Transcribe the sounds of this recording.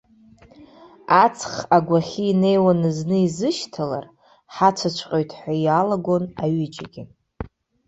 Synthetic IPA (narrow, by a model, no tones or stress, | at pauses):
at͡sʰχaɡʷaχʲiːne̞jwanɨznɨizɨʃtʰala̰r | ħat͡ʃʷʰat͡ʃʷʰqʲʼojtʰħʷajalaɡo̞naɥʏd͡ʒʼaɡʲɪ